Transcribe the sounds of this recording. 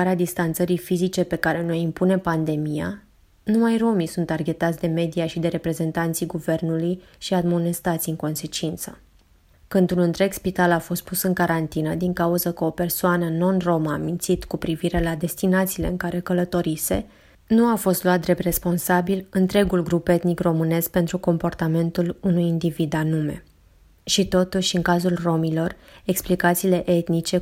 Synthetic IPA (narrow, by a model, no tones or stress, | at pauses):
aɾead̪ist̪ant̪səɾijfizit͡ʃe̞pe̞kaɾe̞no̞jimpune̞pand̪e̞mija̰ | numajro̞misunt̪arɡʲe̞t̪at̪sʲd̪e̞me̞d̪ijaʃid̪e̞ɾe̞pɾe̞ze̞nt̪ant̪sijɡuve̞rnuluj | ʃiad̪monest̪at̪siɨŋko̞nse̞t͡ʃint̪sə | kɨnd̪unɨnt̪ɾe̞ɡspit̪alafo̞st̪̚pusɨŋkaɾant̪inəd̪iŋkauzəkəo̞pe̞rsoanəno̞nro̞məaːmint̪sit̪kupɾiviɾe̞lad̪e̞st̪inat̪siːle̞̰ɨŋkaɾe̞kələt̪o̞ɾise̞̰ | nuafo̞st̪loat̪̚d̪ɾe̞p̚t̪re̞spo̞nsabilɨnt̪ɾe̞ɡulɡɾupe̞t̪nikro̞mɨne̞sk̚pe̞nt̪ɾuko̞mpo̞rt̪ame̞nt̪ulunujind̪ivid̪anume̞̰ | ʃit̪o̞t̪uʃɨŋkazulro̞milo̞reksplikat̪siːle̞ʔe̞t̪nit͡ʃe̞